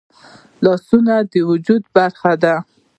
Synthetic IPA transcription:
lɑsunad̪əwʊd͡ʒud̪baɾxad̪a

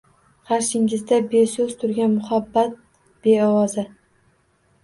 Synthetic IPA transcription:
qɑɾʃɪŋɪzd̪abe̞sɵz̥t̪ʰʊɾɡʲanmʊhabːat̪̚ | b̥e̞ɒwɒzɪ

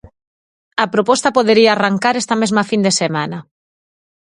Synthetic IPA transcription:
ɐpɾopɔst̪ɐpoðeɾiaːraŋkaɾɛst̪ɐmezmɐfind̪esemanɐ

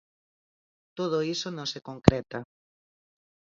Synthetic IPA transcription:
t̪oð̞oisonõŋsekoŋkɾɛt̪a

